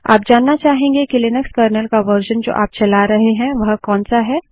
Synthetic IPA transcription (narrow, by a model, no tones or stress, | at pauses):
a̰ːp̚d͡ʒaːnːat͡ʃaːɦẽːŋɡekɪlɪnəkskəːɾnəlkaʋəɾʃənd͡ʒo̰ːʔaːp̚t͡ʃɐlaɾɐɦeɦɛ̃ʋɐɦkɔːnsaɦɛː